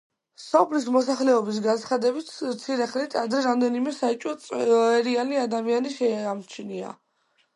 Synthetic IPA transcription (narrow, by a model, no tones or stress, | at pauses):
sɔpʰlismɔsaχlɛɔbis̬ɡant̪sʰχad̪ɛbit̪ʰt̪sʰiɾɛχnit̪ʰad̪ɾɛɾamd̪ɛnimɛsaɛt͡ʃʼwɔt̪sʼɛɾianiad̪amianiʃɛamt͡ʃʰnia̰